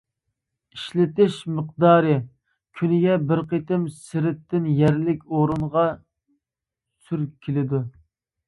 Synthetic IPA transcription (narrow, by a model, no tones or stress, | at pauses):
iʃlɪt̪ɪʃməq̚d̪ɑːɾɨ | kʲʰynɪɡʲɛbɪɾqet̪ɪmsɪɾɪt̪ːɪnjɛɾlɪkʲoɾuɴʁɑ | syɾkʲʰelɪd̪u